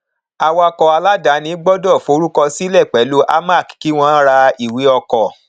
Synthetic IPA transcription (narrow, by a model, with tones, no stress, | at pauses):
a˧wɔ˧a˧kɔ˧a˧la˦da˨˦nĩ˨˦ɡ͡bɔ˦dɔ˦˨fo˨˦ɾu˦kɔ˧si˦lɛ˦˨k͡pɛ˨˦lu˦ʔa̰˦ma˦˨kki˦w̃ɔ̃˧˦ɾa˧i˨wi˨˦ɔ˧kɔ˨